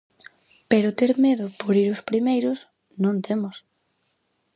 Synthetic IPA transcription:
peɾʊt̪eɾmeðʊpoɾiɾʊspɾimejɾʊs | nõnt̪ʰemʊs

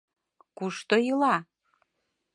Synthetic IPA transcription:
kuʃt̪ojɯlɑ

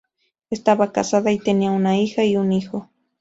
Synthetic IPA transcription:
est̪abaka̰sad̪ait̪enjawnaixajunixo

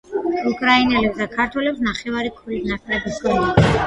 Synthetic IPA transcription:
ukʼɾainɛlɛpsd̪akʰaɾt̪ʰwɛlɛpsnaχɛvaɾikʰuɾisnakʼlɛbiskʰɔni

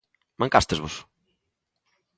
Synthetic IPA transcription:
mɐ̃ŋkast̪ɪzβʊs

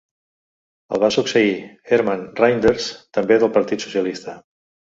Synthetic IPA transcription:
ə̰lˠβasuksəiɛɾmanrajnd̪eɾst̪əmbeðəlˠpəɾt̪it̪su̥siəlist̪ə

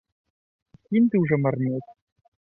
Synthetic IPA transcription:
kʲimt̪ɨwʐɛmarnʲet͡sʲ

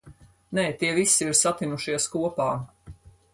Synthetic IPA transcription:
nɛːt̪iɛvisiiɾsat̪inuʃiɛskuɔpaː

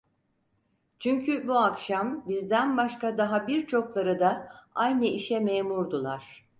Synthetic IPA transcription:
t͡ʃʰyɲcʰybuakʃambizd̪ænbaʃkad̪aɦabiɾt͡ʃʰo̞klˠaɾɯd̪aajnɯiʃɛmeːmuɾd̪ulˠaɾ̥

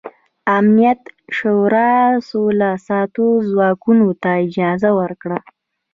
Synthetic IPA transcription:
amnijat̪ʃoɾɑsolasɑt̪ozwɑkunot̪aɪd͡ʒɑzawəɾkɽa

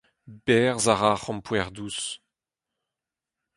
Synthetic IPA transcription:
bɛʁzaʁaχɑ̃mpwɛʁd̪us

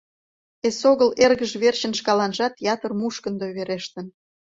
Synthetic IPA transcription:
esoɣəlerɣəʒβert͡ɕənʃkɑlɑnʒɑt̪jɑt̪ərmuʃkənd̪oβeɾeʃt̪ə̆n

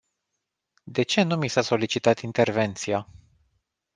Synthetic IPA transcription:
d̪e̞t͡ʃe̞numisaso̞lit͡ʃit̪at̪int̪e̞rve̞nt̪sija

